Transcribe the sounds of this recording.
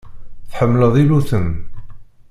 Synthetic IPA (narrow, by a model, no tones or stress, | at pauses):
θħəmːləðˤiluθən